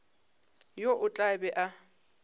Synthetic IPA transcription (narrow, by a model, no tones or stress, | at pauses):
joʔʊt͡ɬʼabɛʔa